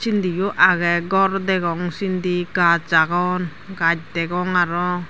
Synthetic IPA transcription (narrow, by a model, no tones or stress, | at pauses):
sindijuʔaɡɛɡɔrdɛɡɔŋsindiɡat͡ʃaɡɔn | ɡac̚dɛɡɔŋaɾɔ